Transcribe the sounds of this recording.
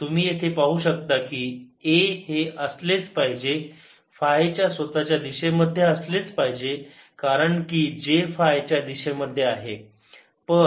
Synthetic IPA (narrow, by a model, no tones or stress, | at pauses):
t̪um̤iːjet̪ʰepaɦuːɕək̚t̪akiːeheʔəslet͡spaɦid͡ʑe | faet͡ɕjasʋət̪at͡ɕjad̪iɕeməd̪ʱːjeəslet͡spaɦid͡ʑe | kaɾəɳkiːd͡ʑefaet͡ɕjad̪iɕeməd̪ʱːjeaɦe | pə